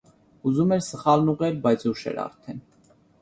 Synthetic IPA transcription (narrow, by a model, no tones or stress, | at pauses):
uzumɛɾsəχɑlnuʁɛɾbɑjt͡sʰuʃɛ̰ɾɑ̰ɾt̪ʰɛn